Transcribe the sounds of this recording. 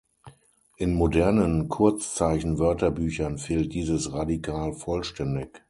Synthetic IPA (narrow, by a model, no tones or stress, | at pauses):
ʔɪnmodɛɐnənkʰʊɐt͡st͡saɪçn̩vœɐtɐbyːçɐnfeːlt̚d̥iːzəsʁadikʰaːlfɔlʃtɛndɪk